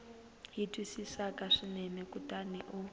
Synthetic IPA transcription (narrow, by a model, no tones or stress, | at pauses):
ɦitʼwisisakaʂinɛnɛkutaniʔu